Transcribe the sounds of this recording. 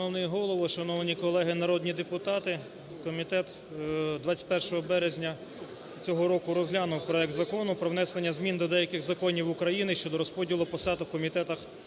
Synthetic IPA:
nɔwnɛjɛɦɔlˠɔʋɔʃɐnɔʋnʲikɔlˠɛɦɪnɐɾɔd̪ʲnʲid̪epʊt̪ɑt̪ɪ | kɔmʲit̪ɛt̪ | d̪ʋɑt͡sʲɐ̥tʲpɛrʃɔɦɔbɛɾezʲnʲɐ | t͡sʲɔɦɔɾɔkʊɾɔzlʲanʊwpɾɔɛk̚t̪zɐkɔnʊpɾɔwnɛslenʲːɐzmʲind̪ɔd̪ɛjɐkɪɣzɐkɔnʲiwʊkɾɐjinɪʃt͡ʃɔd̪ɔɾɔspɔdʲilˠʊpɔsɑd̪ɐwkɔmʲit̪ɛt̪ɐx

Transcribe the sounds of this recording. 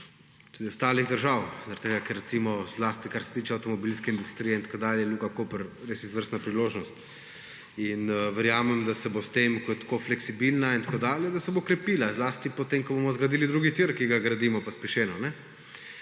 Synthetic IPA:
t̪ud̪ist̪aːliɣd̪əɾʒawzɾt̪ːeɡakɛɾːɛt̪simɔzlast̪ikaɾsɛ̥t̪iːt͡ʃɛawt̪ɔmɔbilskɛind̪ust̪ɾiːjɛint̪ḁkod̪aːljɛjluɡakopəɾɾesizʋəɾst̪napɾiloːʒnɔst̪ | inʋəɾjaːmɛmd̪asɛbost̪emkɔjɛt̪koflɛksibilnaint̪akod̪aːljɛd̪asɛbokɾɛpiːlazlaːst̪ipot̪emkɔbomɔzɡɾɐd̪iːlid̪ɾuːɡit̪iɾkiɡaɡɾad̪imɔpaspɛʃeːnɔnɛ

